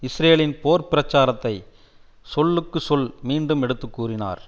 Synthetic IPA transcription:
ɪsɾeːɭɪnpoːɾpɪɾɐt͡ʃːaːɾɐt̪ːɐɪ | sɔlːɯkːɯsɔlmiːɳɖɯmɛɽɯt̪ːɯkːuːrɪna̰ːɾ

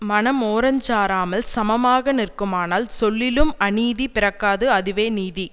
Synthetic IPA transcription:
mɐnɐmoːɾɐɲd͡ʒaːɾaːmɐlsɐmɐmaːɣɐnɪrkɯmaːnaːlsɔɭːɪlɯmɐniːðipɪɾɐkːaːðɯɐðɪʋeːniːði

